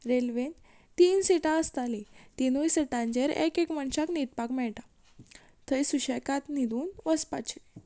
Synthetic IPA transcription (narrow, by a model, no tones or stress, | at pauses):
ɾelʋen | t̪iːnsiʈãəst̪alit̪inujsəʈãnd͡ʑəɾḛkekməɳɕaknit̪̚pakmɛɭʈa | t̪ʰəjsuɕəjkat̪nid̪uːnʋəspat͡ɕʰi